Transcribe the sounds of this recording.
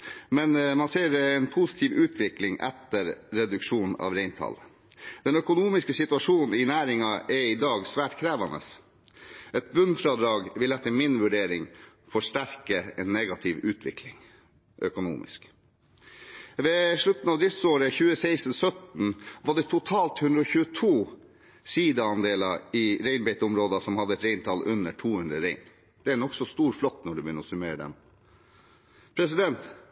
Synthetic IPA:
mɛnmɑnseːɾɛːnpʰusɪ̥t̪ʰɪːʋʉːt̪ʰʋɪklɪŋʔɛ̰t̪ːəɾɾɛd̪ʉkʂuːn̩ɑ̰ːʋɾɛɪnt̪ʰɑ̰l | d̪̥ɛnœkʊnuːmɪskəsɪt̪ʉɑʂuːnn̩ɪnæːɾɪŋɑʔɛɪd̪ɑːɡsʋæːʈkʰɾæːʋɑnə̰s | ʔɛt̪̚bʉnfɾɑd̪ɾɑːɡʋɪlɛt̪ːəmɪnʋʉɖeːɾɪŋ | fɔʂʈæɾkəɛːnːɛɡɑt̪ʰɪʋʉːt̪ʰʋɪ̰kʰlɪŋ | ʔœkʊnṵːmɪ̰sk | ʋeːʂɭʉt̪n̩ɑːʋd̪ɾɪft̪soːɾəçʉːəseɪst̪n̩sœt̪n̩ʋɑɖɛt̪ʰʊt̪ʰɑːlt̪hʉnd̪ɾəɔçʉːət̪ʰuː | siːd̪ɑɑnd̪eːlɑɾɪɾeɪnbɛɪt̪ʊmɾoːd̪ɑsɔmhɑd̪ːəɛt̪ɾeɪnt̪ʰɑlʉnːəʈʰuːhʉnɾə̰ɾeɪn | d̪̥ɛænɔksɔst̪uːɾflɔt̪ːnɔɖʉbjʏnːəɾɔsʉmeːɾəd̪ɛ̰m | pʰɾɛs̬ɪd̪ɛnt̪

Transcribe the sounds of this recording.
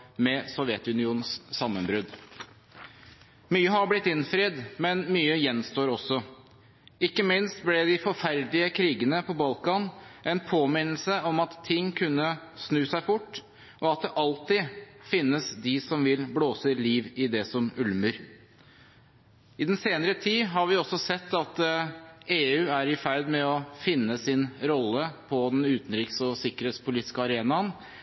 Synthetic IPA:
mɛsɔʋjɛt̪ʉnɪuːnn̩sːɑmːənbɾʉd̪ | myːəhɑblɪt̪ːɪnfɾed̪mɛnmyːəjɛnːst̪oːɾɔsɔ | ɪkːəmɪnst̪blɛd̪ɪfɔɾfæɾd̪lɪəkʰɾiːɡənəpʰɔbɑlkɑnʔɛnpʰoːmɪnl̩səɔmɑt̪ʰːɪŋːkʰʉnːəsnʉːsæɪbʊʈː | ɔɑt̪̚d̪ɛʔɑlt̪ɪfɪnːəsd̪ɪsɔmʋɪlbloːsəliːʋɪd̪ɛsɔmʉlmʉɾ | ɪd̪ɛnseːnəɾət̪ʰiːɦɑɾʋɪɔsːɔsɛt̪ːɑt̪ | eːʉːæɾɪfæɾd̪mɛɔfɪnːəsɪnɾɔlːəpʰɔd̪ɛnʉːt̪n̩ɾiksɔsɪkːəɾeːt̪spʰʊliːt̪ːɪ̥skəɑɾeːnɑn

